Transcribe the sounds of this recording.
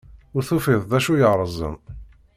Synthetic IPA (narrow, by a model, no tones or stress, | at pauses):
ʊɾθufiðˤðæʃujəʁɾˤəzˤə̰n